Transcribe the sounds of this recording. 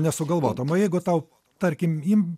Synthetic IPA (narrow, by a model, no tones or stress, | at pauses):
nʲɛsʊɡɐlˠʋoːt̪omoːjɛɪɡʊt̪ɐʊ | t̪ɐɾʲkʲɪmim